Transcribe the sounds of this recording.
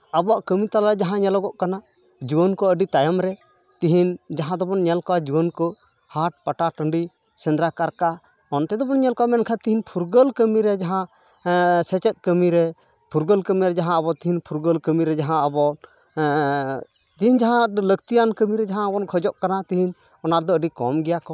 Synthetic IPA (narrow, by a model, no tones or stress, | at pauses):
abɔwaʔkəmit̪alad͡ʒaɦãɲɛlɔɡɔʔkana | d͡ʒubɔnkɔəɖit̪ajamɾɛ | t̪iɦind͡ʒaɦãd̪ɔbɔnɲɛlkɔwad͡ʒuwɔnkɔ | haʈ̚paʈaʈəɳɖi | sɛ̃nd̪ɾakaɾka | ɔnt̪ɛd̪ɔbɔnɲɛlkɔwamɛnkʰat̪iɦinpʰuɾɡəlkəmiɾɛd͡ʒaɦã | sɛt͡ʃɛt̪̚ˀkəmiɾɛ | pʰuɾɡəlkəmiɾɛd͡ʒaɦãəbɔt̪iɦinpʰuɾɡəlkəmiɾɛd͡ʒaɦãəbɔn | t̪iɦind͡ʒaɦãləkt̪ijankəmiɾɛd͡ʒaɦãəbɔnkʰɔd͡ʒɔʔkanat̪iɦin | ɔnaɾd̪ɔəɖikɔmɡɛjakɔ